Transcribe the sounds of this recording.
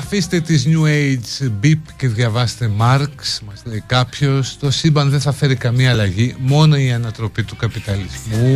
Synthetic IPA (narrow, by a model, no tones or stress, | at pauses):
ɐfist̪e̞t̪izɲuejd͡zbipce̞ðʝɐvɐst̪e̞mɐɾksmɐst̪ekɐpço̞st̪o̞sibɐnðeθɐfe̞ɾikɐmiɐːlɐʝimo̞no̞iɐnɐt̪ɾo̞pit̪ukɐpit̪ɐlizmu